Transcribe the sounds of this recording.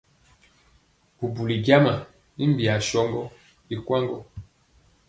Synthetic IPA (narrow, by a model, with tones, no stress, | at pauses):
bu˨bu˨li˨ɡja˦ma˨ | i˦mbi˨a˨ʃɔ˦ŋɡɔ˦ | i˨kwa˦ŋɡɔ˦